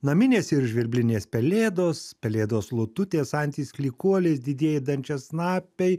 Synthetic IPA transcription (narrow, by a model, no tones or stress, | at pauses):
nɐmʲɪnʲeːsɪɾʒʲʋʲɪɾʲbʲlʲɪnʲeːspʲɛlʲeːd̪oːspʲɛlʲeːd̪oːslˠʊt̪ʊt̪ʲeːsɐnʲt̪ʲiːsklʲiːkuɔlʲes̬d̪ʲɪd̪ʲeɛjɛd̪ɐnʲt͡ʃʲɛsnɑːpʲɛɪ